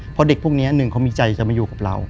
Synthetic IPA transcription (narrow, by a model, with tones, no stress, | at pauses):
pʰɔ˧˥de˨˩k̚pʰu˥˩k̚ni˦˥˦nɯ˨˩ŋkʰa˦˥miː˧t͡ɕa˧jt͡ɕa˨˩ma˧juː˨˩kaː˨˩ɾa̰˧w